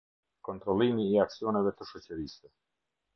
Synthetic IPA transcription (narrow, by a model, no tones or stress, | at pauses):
kɔnt̪ɾɔlˠimiːaksiɔnɛvɛt̪əʃɔt͡ɕəɾisɛ